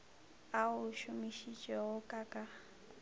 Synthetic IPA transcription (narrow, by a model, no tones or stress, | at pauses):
aʊʃʊmiʃit͡ʃʼɛɣʊkʼakʼa